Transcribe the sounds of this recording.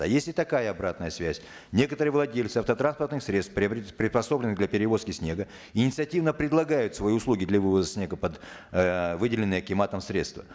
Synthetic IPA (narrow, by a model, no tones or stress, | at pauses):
ɐ̰jesʲlʲɪt̪ɐkajəɐbɾat̪nəjəsvʲæsʲ | nʲe̞kət̪əɾɨjəvlˠɐdʲelʲtsɨɐft̪ət̪ɾanspərt̪nɨxsɾʲe̞t̪st̪pɾʲɪpɾʲɪt̪spɐso̞blʲɪnɨɣd̪lʲɐpʲɪɾʲɪvo̞skʲɪsʲnʲe̞ɡə | ɪnʲɪt̪sɨɐtʲivnəpɾʲɪd̪lˠɐɡajʊt̪svɐiʊslˠuɡʲɪd̪lʲɐvɨvəzəsʲnʲeɡəpɐd̪ | vɨdʲɪlʲɪnːɨjəkʲɪmat̪əmsɾʲe̞t̪st̪və